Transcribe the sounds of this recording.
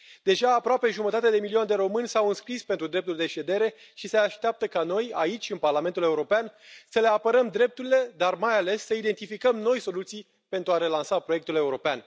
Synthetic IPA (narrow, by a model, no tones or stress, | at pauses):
d̪̥e̞ʒaːpɾoape̞ʒumət̪at̪ead̪e̞miliond̪e̞ɾo̞mɨnʲsawɨnskɾispent̪ɾud̪ɾe̞p̚t̪uld̪e̞ʃe̞d̪e̞ɾe̞ | ʃise̞aʃt̪eap̚t̪əkano̞jait͡ʃʲɨnparlament̪ule̞uɾo̞peansəle̞apəɾəmd̪ɾe̞p̚t̪uɾile̞d̪armajale̞sːəid̪e̞nt̪ifikəmno̞jso̞lut̪sij | pe̞nt̪ɾuaɾe̞lansapɾo̞je̞k̚t̪ule̞uɾo̞pean